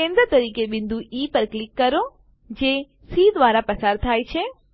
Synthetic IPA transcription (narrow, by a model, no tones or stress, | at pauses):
ẽnd̪ɾət̪əɾiːkebɪ̃nd̪uʔipəɾklɪkːəɾo | d͡ʒe | siːd̪ʋaːɾapəsaɾt̪ʰaːjt͡ʃʰe